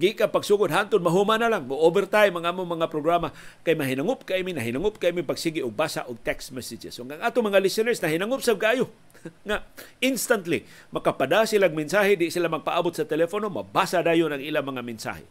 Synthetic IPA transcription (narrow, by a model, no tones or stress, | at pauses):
ɡikanpaɡsuːɡʊd̪ɦant̪ʊd̪̚maɦumanalaŋmoʔobɛrt̪ajmaŋʔaːmʊŋmɐŋapɾoɡɾamakajmaɦinaŋʊp̚kaʔiminaɦinaŋʊp̚kaiːmipaɡsiɡiʔʊɡ̚basa̰ʔʊɡ̚t̪ɛksmɛsɪd͡ʒɛ̰sʊɡaŋʔat̪ʊŋmaŋalɪsɪnɛɹsnaɦinaŋʊpsab̚kaʔaːjo | ŋa | ɪnst̪ant̪li | makapadasilaɡ̚mɪnsaɦɪdɪʔsilamaɡ̚paʔabʊt̪̚sat̪ɛlɛfonoma̰basadaːjʊnaŋʔilamɐŋamɪnsa̰hɪ̰